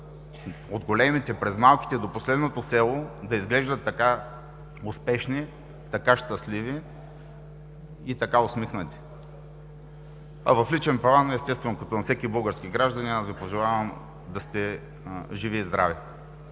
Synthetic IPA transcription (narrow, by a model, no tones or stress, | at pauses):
od̪ɡolɛmit̪ɛpɾɛzmalˠkʲi̥t̪ɛd̪oposlɛd̪not̪osɛlˠod̪ɐizɡlɛʒd̪ət̪ːɐka | ʊspɛʃni | t̪ɐkaʃt̪ɐslivi | t̪ɐkaosmixnət̪i̥ | ɐ̰vɐflit͡ʃɛmpɾɐvanɛst̪ɛst̪vɛnokɐt̪onɐfsɛkibɤlˠɡəɾskʲiɡɾaʒd̪ɐniazɡipoʒɛlˠavɐm | d̪ɐst̪ɛ | ʒivizd̪ɾa̰vɛ